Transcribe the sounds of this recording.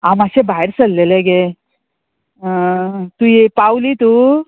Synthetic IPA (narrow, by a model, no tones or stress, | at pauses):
aːmɐʃebʱajɾsɐlːeleɡe | t̪ujepaːwlit̪u